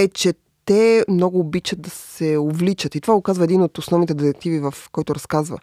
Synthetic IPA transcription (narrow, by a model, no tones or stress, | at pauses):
ɛt͡ʃɛ | t̪ɛmnɔɡʊːbit͡ʃəd̪̚d̪ɐsɛovlit͡ʃət̪it̪ovaɡokazvɐɛd̪inot̪osnɔvnit̪ɛd̪iɾɛk̚t̪ivivɐfkɔjt̪ʊɾɐskazvə̰